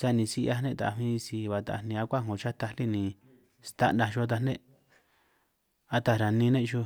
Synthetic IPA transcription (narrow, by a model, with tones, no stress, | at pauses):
sa˧nĩ˧si˧ʔa˧nẽ˦˧˨t̪a̰˨˧mĩː˦˧si˧βa˨t̪a̰˨˧˨nĩ˧a˧kʷa˦ŋõ˨t͡ʃa˦t̪a˧li˦nĩ˨ | st̪a˧ndã˧ʃo˧a˧t̪a˧nẽ˦ | a˧t̪a˧ɾa˨nĩ˧˦nẽ˦˧ʃu˧